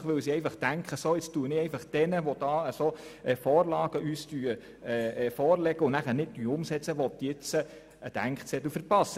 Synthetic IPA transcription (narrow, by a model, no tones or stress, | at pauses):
χʋɵwsiɛɪfɑχtæŋkχəsoɪt͡stuːənɪɛɪfɑχd̥ɛnəʋɔd̥ɑːəsoɛfɔːrlɑːɡ̥əʔyːstyːə | ɛːfɔːrlɛɡ̥əʊnæχənɪt̚dyʊmsɛt͡səʋɔt̪jɪt͡sə | əd̥æ̰ŋkχt͡sɛt̪ufəɾpɑsːə